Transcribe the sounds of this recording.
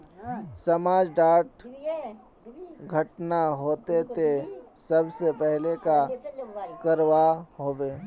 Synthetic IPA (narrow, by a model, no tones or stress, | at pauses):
səmaːd͡ʒɖaːʈ | ɡʱəʈnaɦoːt̪et̪esəbsepɛɦleka | kəɾʋaɦoːʋeː